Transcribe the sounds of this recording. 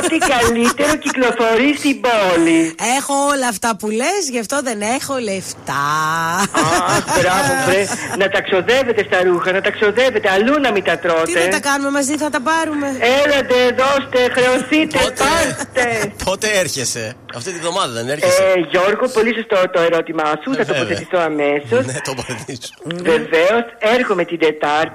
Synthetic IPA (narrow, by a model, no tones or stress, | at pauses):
t̪ikɐlit̪e̞ɾo̞ciklo̞fo̞ɾist̪iboliexo̞olɐːft̪ɐpulezʝɐft̪o̞ðe̞ne̞xo̞left̪ɐ | bɾavobɾenɐt̪ɐkso̞ðevet̪e̞st̪ɐɾuxɐnɐt̪ɐkso̞ðevet̪eɐlunɐmit̪ɐt̪ɾo̞t̪ieɐt̪ɐkɐnume̞mɐziθɐt̪ɐpɐɾume̞elɐnd̪eðost̪exɾeosit̪epɐɾt̪epot̪eeɾçese | ɐft̪it̪ievðomɐðɐðeneɾʝo̞ɾɣopo̞lisost̪ot̪o̞eɾot̪imɐsuθɐt̪opo̞θet̪iθoɐme̞so̞sobɐt̪isve̞veoseɾxome̞t̪id̪et̪ɐɾ